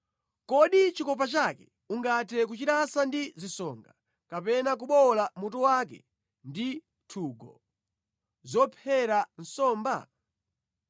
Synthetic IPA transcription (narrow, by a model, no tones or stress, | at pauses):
kɔɗit͡ʃikɔp̬at͡ʃakɛ | uŋɡatʰɛk̬ut͡ʃiɾasandizisɔːŋɡa | kapɛnak̬uɓɔlamut̬ɔwakɛ̰ | ndi | tʰuːɡɔ | zɔpʰɛɾan̩sɔːmba̰